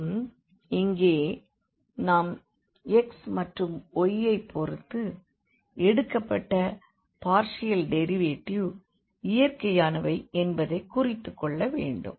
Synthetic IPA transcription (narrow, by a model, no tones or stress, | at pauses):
m | ɪŋɡeː | naːm | ɛksmɐʈrɯmɔjːɐɪpʰːɔɾɯt̪ːɯ | ʔɛɽɯkːɐpːɐʈːɐ | paːɾʂɪjɐlɖɛɾɪʋeːʈːiju | ɪjɐɾkɐjaːnɐʋɐɪɛnbɐðɐɪkːʊrɪt̪ːɯkːɔɭːɐʋeːɳɖɯ̰m